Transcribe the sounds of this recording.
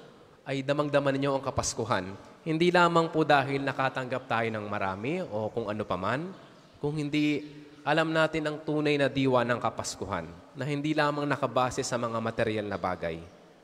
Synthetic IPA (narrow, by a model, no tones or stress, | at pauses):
ʔɐjd̪ɐmɐŋd̪ɐmɐnɪɲo̞ʔɐŋkɐpɐskʊɦan | hɪnd̪ilaːmɐŋpod̪aːɦɪlnɐkaːt̪ɐŋɡɐp̚t̪aːjo̞nɐŋmɐɾa̰ːmɪʔo̞kʊŋʔɐno̞pɐman | kʊŋhɪnd̪i | ʔɐlɐmnaːt̪ɪnɐŋt̪uːnɐjnɐd̪iːwɐnɐŋkɐpɐskʊɦa̰nːɐhɪnd̪ilaːmɐŋnɐkɐbaːsɛsɐmɐŋamɐt̪ɛɾɪjalnɐba̰ːɡɐ̰j